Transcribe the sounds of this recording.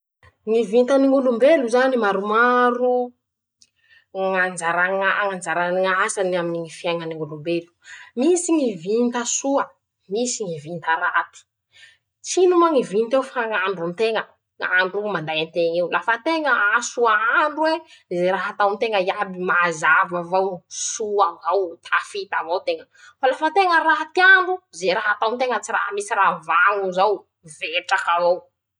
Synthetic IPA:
ŋivint̪aniŋɡulumbeluzanimaɾumaɾu | ŋand͡ʒaɾaŋaŋand͡ʒaɾaniŋasanaminiŋifiajŋəniŋulumbelu̥misiŋivint̪asuə | misiŋivint̪aɾat̪i̥ | t͡sinumaŋivint̪ewfaŋaɳɖ͡ʐunt̪eŋə | ŋa̰ɳɖ͡ʐumand̪ajant̪eŋiwlafət̪eŋəasuaaɳɖ͡ʐuwezeɾaɦat̪awnt̪eŋəjabimazavavawsuavawt̪ʰafit̪avawt̪eŋə | falafət̪eŋəɾat̪iaɳɖ͡ʐuzeɾaɦat̪awnt̪eŋət͡sira̰ɦamisiɾavaŋuzaw | veʈ͡ʂakavaw

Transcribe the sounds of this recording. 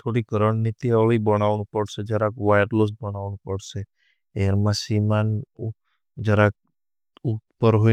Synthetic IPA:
t̪ʰoɽikəɾəɳnit̪iəlibəɽ̃aʋnũpəɽsed͡ʒəɾãkʋajəʈlosbəɽaʋnũpəɽse | eɾmãsiman | d͡ʒəɾak | ut̪pəɾɦo

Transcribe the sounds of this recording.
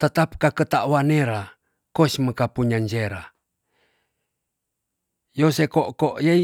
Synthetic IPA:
t̪ət̪ap̚kakət̪aʔwaneɾa | kosməkapuɲaɲd͡ʒeɾa̰ | josekoʔkoʔje

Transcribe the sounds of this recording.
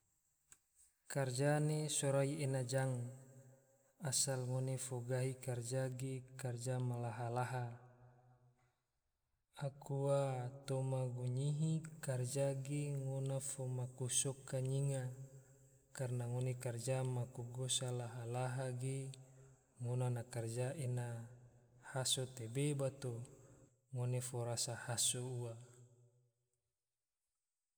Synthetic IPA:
kard͡ʒanesoɾaienad͡ʒaŋ | asalŋonefoɡaɦikard͡ʒaɡekard͡ʒamalaɦalaɦa | akuwat̪omaɡuɲiɦikard͡ʒaɡeŋonafomakusokaɲiŋa | karnaŋonekard͡ʒamakuɡosalaɦalaɦaɡe | ŋonanakard͡ʒaʔena | hasot̪ebebat̪o | ŋonefoɾasahasoua

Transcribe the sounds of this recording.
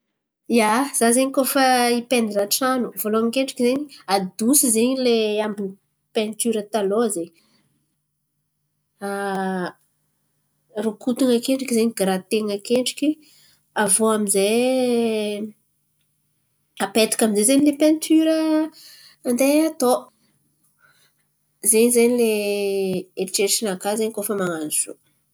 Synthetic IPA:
jaz̥azeɲikofaipend̪iɾaʈ͡ʂanuvoloamikeɳʈ͡ʂi̥kizeɲiad̪usizeɲileambi | pẽnt̪yɾət̪aloze | a | rukut̪uŋakeɳʈ͡ʂikizeɲiɡɾat̪eŋəkeɳɖ͡ʐi̥kʲi | avoamize | apet̪ḁkʲaminzezemilepent̪ʰyɾəː | nd̪eat̪o | zeɲizeɲileː | ʈ͡ʂeʃinakazeɲikofəmaŋanuz̥o̰

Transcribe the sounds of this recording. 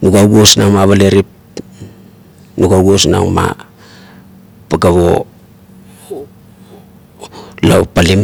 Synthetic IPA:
nuɡaɡosnaŋmaβaleɾip̚ | nuɡaɡosna̰ŋma̰ | paɡaβo̰ | lopalim

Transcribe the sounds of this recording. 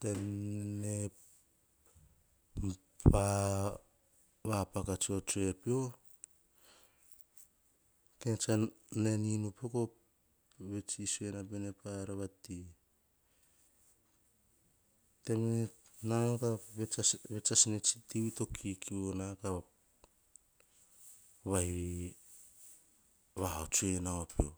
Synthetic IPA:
te̞mne | pʰa | βapakat͡ʃiot͡ʃue̞pio̞ | ket͡ʃa | ne̞ninupeko̞ | βe̞t͡ʃisuenapenepaɾaβati | temenankaβeaβet͡ʃasnet͡ʃi̥tiwito̞kʰikʰionaka | βahi | βaɦat͡ʃuenaopio̞

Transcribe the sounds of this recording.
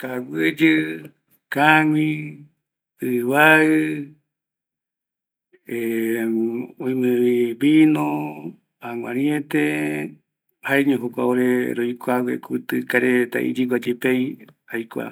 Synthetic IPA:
kawɨd͡ʒɨ | kaŋĩ | ɨβaɨ | e | oĩmẽβiβinõ | aŋʷã̰ɾĩẽt̪e | haeɲõɦokʷa̰oɾeɾojkʷawḛkut̪ɨkaɾet̪a̰ʔḭd͡ʒiɡʷad͡ʒepej | ajkʷa̰

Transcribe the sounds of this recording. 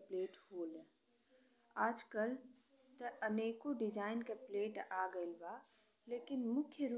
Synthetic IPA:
pleːʈhoːl | aːd͡ʒkəl | tɐɐneːkoɖɪd͡ʒaːɪnkepleːʈaːɡəɪlbaːleːkɪnmʊkʰjəɾu

